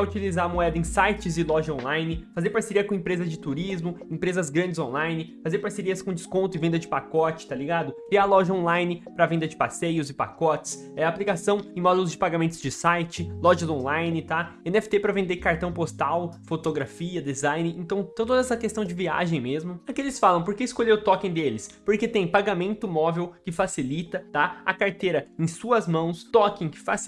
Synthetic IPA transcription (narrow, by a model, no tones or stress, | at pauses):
ɛut͡ʃilizaɾɐmuɛd̪ɐẽsajt͡ʃɪzɪlɔʒɐõlajnɪfazeɾpaɾseɾiɐkõẽpɾezɐzd͡ʒɪt̪uɾizmʊẽpɾezɐzɡɾɐ̃nd͡ʒɪzõlajnɪfazeɾpaɾseɾiɐskõd͡ʒɪskõnt̪ʊɪvẽnd̪ɐd͡ʒɪpakɔt͡ʃɪ̥t̪aliɡad̪ʊkɾialɔʒɐõlajnɪpɾɐvẽnd̪ɐd͡ʒɪpasejʊzɪpa̰kɔt͡ʃɪ̥s | ɛaplikasɐ̃w̃ẽj̃mɔd̪ulʊzd͡ʒɪpaɡamẽt̪ʊzd͡ʒɪsajt͡ʃɪlɔʒɐzõlajnɪt̪aẽnɛfɪ̥t̪epɾɐvẽnd̪ekaɾt̪ɐ̃w̃post̪awfot̪oɡɾafiɐd̪ezãjnɪẽt̪ɐ̃w̃t̪ɐ̃t̪od̪ɐɛsɐkest̪ɐ̃w̃d͡ʒɪvia̰ʒẽj̃mezmʊakelɪsfalɐ̃w̃poɾkeɪskoʎeʊt̪ɔkẽj̃d̪elɪspoɾket̪ẽj̃paɡamẽnt̪ʊmɔvewkɪfasilit̪ɐt̪aɐkaɾt̪eɾɐẽj̃suɐzmɐ̃w̃st̪ɔkẽj̃kɪ̥fas